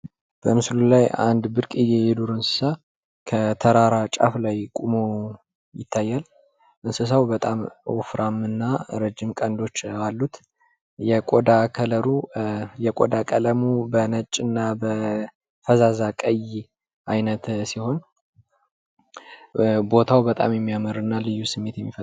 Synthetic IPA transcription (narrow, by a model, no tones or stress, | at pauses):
b̥əmɨslulaja̰nd̪bɨɾkʼɨjejɛd̪uɾɨnsɨ̥sa | kʰət̪ʰəɾaɾat͡ʃʼa̰flajkʼumo | jɪt̪ʰːajːal | ʔɨnsɨs̬awbət̪ʼamofɾʔamɨnːaɾəd͡ʒːɪmkʼənd̪o̞t͡ʃːalːut̪ | jɛkʼod̪akʰələɾujɛkʼo̰d̪akʼələmubənət͡ʃʼːɨnːabə | fəzazakʼəj | ʔajnət̪siho̞n | bo̞t̪ʰawbət̪ʼa̰mjɛmːijamɨɾɨnːalɨjːusɨmːe̞t̪jɛmːifə